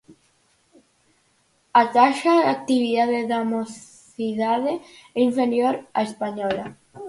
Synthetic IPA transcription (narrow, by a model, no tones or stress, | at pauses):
at̪aʃaak̚t̪iβ̞iðaðeðamo | iðaðeiɱfeɾjoɾaespaɲɔla